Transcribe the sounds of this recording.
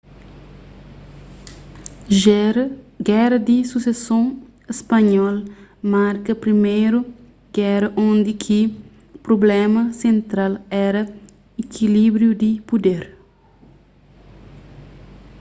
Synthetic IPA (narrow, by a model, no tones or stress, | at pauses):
ɡɛɾɐd̪isusesõ | espɐɲɔlmaɾkɐpɾimejɾu | ɡ̥ɛɾɐʔõnd̪ikʰi | pɾoblɛmɐsẽnt̪ɾalɛɾɐ | ekʰilibɾjud̪ipud̪eɾ